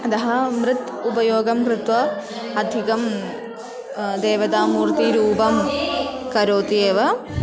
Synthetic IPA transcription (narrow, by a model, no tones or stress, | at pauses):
ɐt̪ɐɦɐmɾɨt̪ | upɐjoːɡɐmkɾɪt̪ʋɐ | ɐd̪ʱikɐm | d̪eːʋɐd̪aːmuːɾt̪iɾuːpɐm | kɐɾoːt̪ieːʋɐ